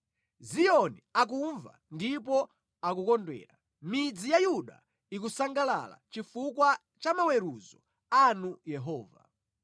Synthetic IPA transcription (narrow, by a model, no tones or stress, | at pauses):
zijɔniak̬uɱva̰ndipɔ | akukɔndwɛ̰ːɾa | mid͡zijajuɗa̰ | ik̬usaŋɡala̰la̰t͡ʃifukwa | t͡ʃamawɛɾuzɔ | anujɛɦɔːva̰